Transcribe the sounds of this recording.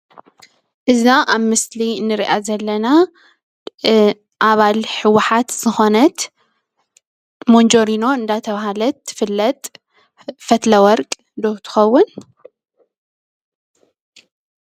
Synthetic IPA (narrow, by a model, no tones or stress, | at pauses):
ʔɨznaʔaβmɨslinɨɾiʔazɐlːɐna | ʔaβalħɨwːʊħat̪z̥ɨxo̞nɐt̪ | mond͡ʒo̞ɾino̞ɨnd̪at̪ʰɐβahalɐt̪ːɨ̥fɨlːɐt̪ʼ | fɐt̪lɐwɔɾkʼ | d̪ot̪ʰɨ̥xɐwːʊn